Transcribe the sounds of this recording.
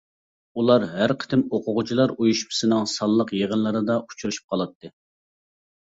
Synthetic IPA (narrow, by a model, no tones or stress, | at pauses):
ulˠɑɾɦæɾqʰə̥t̪ʰɪmoqʰʊʁʊt͡ʃʰilˠɑɾujuʃmɨ̥sɨnɨŋsɑlˠːəqjeʁənlˠɨɾɨd̪ɑu̥t͡ʃʰuɾuʃu̥p̚qʰɑlˠɑt̪ːɨ